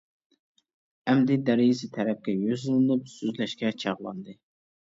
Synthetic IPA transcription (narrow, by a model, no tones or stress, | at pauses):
ɛmd̪ɪd̪æɾɪjisɪt̪ʰɛɾɛp̚kʲɛjøzɨlˠɨlɨpsøzlɛʃkʲɛt͡ʃʰɑʁlˠɑ̰nd̪ɨ